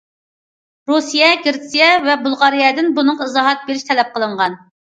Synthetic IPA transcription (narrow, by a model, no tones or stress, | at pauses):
ɾusijɛɡʲɪɾsijɛvɛbulˠʁɑɾijɛd̪ɪnbunɨɴɨzɑɦɑt̪̚beɾɪʃt̪ʰɛlɛp̚qəlˠɨɴʁɑn